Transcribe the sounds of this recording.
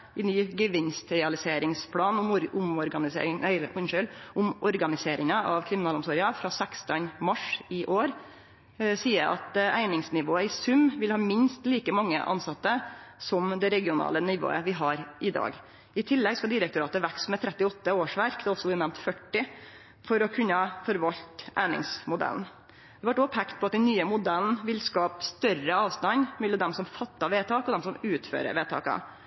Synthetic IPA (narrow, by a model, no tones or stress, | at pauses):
ɪnyːɡəʋɪnst̪ɾɛɑlɪseːɾɪŋspʰlɑːnʊmɾʊmɔɾɡɑnɪsḛɪŋæɪɾʔʊnʂœlʔʊmʔɔɾɡɑnɪseːɾɪŋɑʔɑʋkʰɾɪmɪnɑːlʊmsɔːɾɪɑfɾɑːsækst̪ənmɑʂɪʔoːɾ | siːəɾʔɑ̰t̪ʔæɪnɪŋsnɪʋoːəɪsʉmʋɪlhɑːmɪnst̪liːkəmɑŋːə̰ʔɑ̰nsɑt̪ːəsɔmd̪ɛɾɛɡɪʊnɑ̰ːlənɪʋo̰ːə̰ʋɪɦɑɾʔɪd̪ɑ̰ːɡ | ɪt̪ʰɪlːɛɡskɑd̪ɪɾək̚t̪ʊɾɑːt̪əʋæksmɛt̪ʰɾɛt̪ːɪɔt̪ːəoːʂʋæɾkd̪ɛɔlsɔb̪nɛmt̪fœʈːɪ | fɔɾɔkʰʉnːəfɔɾʋɑʎt̪ʔæ̰ɪnɪ̰ŋsmʊd̪æ̰ln̩ | d̪̥ɛʋɑʈɔpʰɛkt̪pʰɔɑt̪̚d̪ɛnnːyːəmʊd̪æln̩ʋɪlskɑːpst̪œrəɑːʋst̪ɑnmɛlːəd̪ɛmsɔmfɑt̪ːɑʋeːt̪ʰɑːkɔd̪ɛmsɔmʉːt̪fø̰ːɾə̰ʋeːt̪ʰɑ̰ːkɑ̰